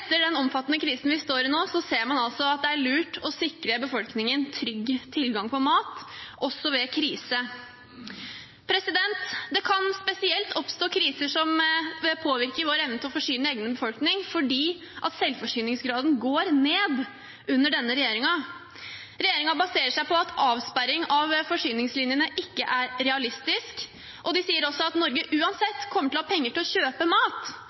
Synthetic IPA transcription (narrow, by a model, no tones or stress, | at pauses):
ɛt̪ːəɖɛnɔmfɑt̪ːənəkʰɾiːsn̩ʋɪst̪oːɾɪnoːsɔseːɾmɑnɑlsɔɑt̪̚d̪ɛæɭʉːʈɔsɪkɾəbəfɔlknɪŋənt̪ʰɾʏɡːt̪ʰɪlɡɑŋpʰɔmɑːt̪ɔsːɔʋɛkʰɾiːsə | pʰɾɛsɪd̪ɛnt̪d̪ɛkʰɑnspɛsɪɛlt̪ɔpst̪oːkʰɾiːsəʂɔmpʰoːʋɪɾkəʋoːɾɛʋnət̪ʰɔfɔʂyːnəeːɡnəbəfɔlknɪŋfɔɖiː | ʔɑt̪sɛlfɔʂyːnɪŋsɡɾɑːd̪n̩ɡoːɾneːd̪ | ʉnːəɖɛnːəɾɛjeːɾɪŋɑ | ɾɛjeːɾɪŋɑbɑseːɾəʂæɪpʰɔɑt̪ʰɑːʋspæɾɪŋɑʋfɔʂyːnɪŋslɪnjənəʔɪkːəʔæɾɾɛɑlɪst̪ɪsk | ʔɔd̪ɪsiːəɾɔsːɔɑt̪nɔɾɡəʔʉːɑnsɛt̪ːkʰɔmːəʈɪlhɑpʰɛŋːəʈʰɪlɔɕøːpəmɑːt̪